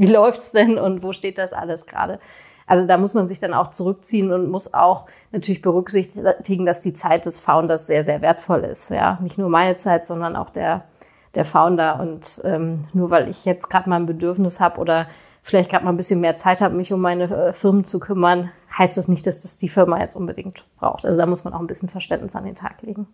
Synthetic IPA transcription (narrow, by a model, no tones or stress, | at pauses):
viːlɔʏftsd̥ɛnʊntv̥oːʃteːt̚d̥asʔa̰ləsɡ̥ʁa̰ːdə | ʔalzodaːmʊsmanzɪçd̥ana̰ʊxt͡suʁʏk̚t͡siːənʊntmʊsa̰ʊx | natʰyːɐlɪçb̥əʁʏkz̥ɪçtɪɡŋ̩dasd̥iːt͡saɪt̚d̥ɛsfaʊndɐsz̥eːɐzeːɐveːɐtfɔlɪ̰stja̰ːnɪçtnuːɐmaɪnət͡saɪtz̥ɔndɐnʔa̰ʊxd̥eːɐ | d̥eːɐfaʊndɐʔʊ̰ntʔɛːmnuːɐvaɪlʔɪ̰çjɛt͡stɡ̥ʁaːtmaːlnbədʏɐfnɪshaːbəʔo̰ːdɐ | fɪlaɪçtɡ̥ʁaːtmaːln̩bɪsçənmeːɐt͡saɪthaːbəmɪçʊmːaɪnəfɪɐmənt͡sukʰʏmɐn | haɪstd̥asnɪçt̚d̥asd̥asd̥iːfɪɐmajɛ̰t͡stʔʊnbədɪ̰ŋktb̥ʁa̰ʊxtʔa̰lzodaːmʊsmanʔaʊxn̩bɪsçən̩fɛɐʃtɛntnɪsa̰ndḛːntʰa̰ːkleːɡŋ̩